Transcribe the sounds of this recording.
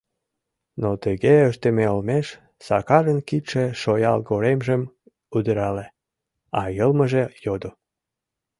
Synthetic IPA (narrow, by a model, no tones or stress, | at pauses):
not̪əɣeəʃt̪əmeolmeʃ | sɑkɑʒənkiʃeʃojɑlɣoɾemʒəm | ud̪əɾɑle | ɑjəlmə̆ʒejod̪o